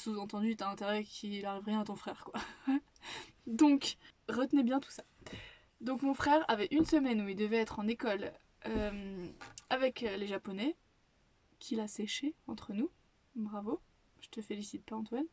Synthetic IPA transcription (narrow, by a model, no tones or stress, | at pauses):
suzɑ̃t̪ɑ̃d̪yt̪aɛ̃t̪eʁɛkʲʰilaʁivʁjɛ̃at̪ɔ̃fχɛːʁkwa | d̪ɔ̃kʁət̪nɛbjɛ̃t̪u̥sḁ | d̪ɔ̃kmɔ̃fχɛʁavɛʔynsəmɛnuild̪əvɛːt̪χɑ̃nekɔl | ømavɛkleʒapɔnɛ | kʲʰilaseʃeɑ̃t̪χənu | bʁavo | ʒ̥ət̪əfelisit̪̚paɑ̃t̪wan